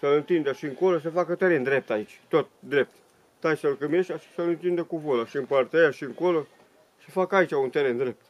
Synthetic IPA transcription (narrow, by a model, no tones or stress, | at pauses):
səlɨnt̪ind̪əʃiɨŋkolos̬əfakət̪eɾend̪ɾe̞p̚t̪ait͡ʃʲt̪ot̪̚d̪ɾe̞p̚t̪ | t̪ajsəlkɨmeʃt̪aʃi̥səlɨnt̪ind̪əkuvolaʃiɨmpart̪ejaʃiɨŋkolo | səfakəait͡ʃʲaunt̪eɾend̪ɾe̞p̚t̪